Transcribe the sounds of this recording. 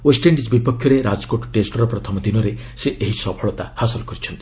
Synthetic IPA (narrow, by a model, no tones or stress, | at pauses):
wesʈeɳɖisbipɔkʰjɔɾeɾad͡ʒɔkoʈɔʈesʈɔɾɔpɾɔt̪ʰɔmɔd̪inɔɾe | seʔeɦisɔpʰɔɭɔt̪a̰hasɔlɔkɔɾit͡ʃʰɔnt̪i̥